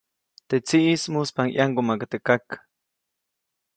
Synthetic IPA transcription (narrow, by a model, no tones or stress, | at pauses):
t̪et͡siʔismuspaŋj̰ʔaŋɡomakat̪ekak